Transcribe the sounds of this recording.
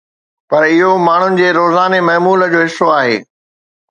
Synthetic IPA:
pɐɾɪɦomaːɳ̤ʊnɪ̆d͡ʑeːɾoːzaːnemɐɦmuːləd͡ʑoːɦɪsoaːɦḛː

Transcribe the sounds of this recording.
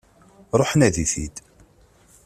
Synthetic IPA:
ɾˤoħnæðiθḭd̪

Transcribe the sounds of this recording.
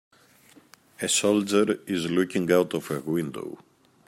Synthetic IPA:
ɨsolˠd͡ʒəɾɪzlukɪ̃ŋawtɔvəɡwɪ̃ndo̰ʊ

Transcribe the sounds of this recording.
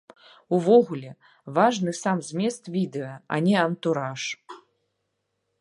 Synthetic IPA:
uvɔɣulʲɛ | vaʐnɨsamzʲmʲɛst̪vʲid̪ɛɐɐ̰nʲɛɐnt̪uɾaʂ

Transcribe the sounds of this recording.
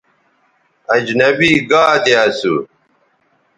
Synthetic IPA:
ɐd͡ʑnɐbiːɡaːt̪easu

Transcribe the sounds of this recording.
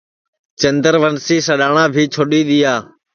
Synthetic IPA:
t͡ʃənd̪əɾʋənsiːsəɗaːɳãːbʱiːt͡ʃʰoɗiːɗ̪iːjaː

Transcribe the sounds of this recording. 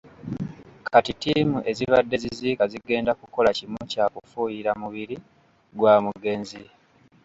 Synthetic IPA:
kʰatitiːmuʔe̞ziβadːe̞ziziːkaziɡe̞ːndakuko̞lacimucaːkufuːjiɾamuβiɾi | ɡwamuɡe̞ːnzi

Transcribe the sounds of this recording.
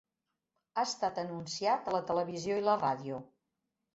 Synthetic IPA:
aəst̪at̪ənunsiat̪ələt̪ələβ̞izioiləraðiu

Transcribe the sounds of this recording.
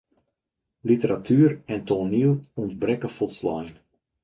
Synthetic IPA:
litəɾatʰyːərɛntoniluntbrɛkəfulˠtslɔjn

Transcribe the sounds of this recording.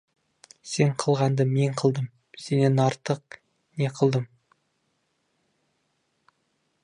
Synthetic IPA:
se̞ɴqʰəlˠʁɑnd̪əme̞ɴqʰəlˠd̪əm | se̞ne̞nɑɾt̪əq̚ | ne̞qʰəlˠd̪əm

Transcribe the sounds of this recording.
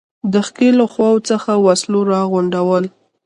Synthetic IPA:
d̪əxkelaxwɑwt͡səxawasloɾɑɣʊɳɖawəl

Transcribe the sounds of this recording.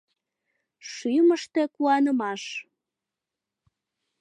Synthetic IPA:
ʃyməʃt̪e̽kuɑnəmɑʃ

